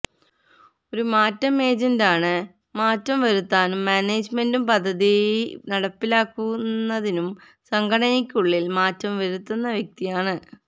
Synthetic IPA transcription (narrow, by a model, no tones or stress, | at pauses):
o̞ɾumaːtːɐmeːd͡ʑɐndaːɳɨ | maːtːɐmʋɐɾut̪ːaːnumːaːneːd͡ʑmendumpɐd̪ʱːɐðinɐɽɐpːilaːkːunːɐðinum | sɐŋɡɐɽɐnikʲːuɭːilmaːtːɐmʋɐɾut̪ːunːɐʋjek̚t̪ijaːɳɨ